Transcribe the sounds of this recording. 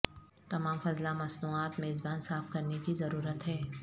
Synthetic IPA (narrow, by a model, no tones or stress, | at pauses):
t̪ɐmaːmfɐzlamɐsnuːaːt̪meːzbaːnsaːfkɐɾnekizɐɾuːɾət̪ɦɛː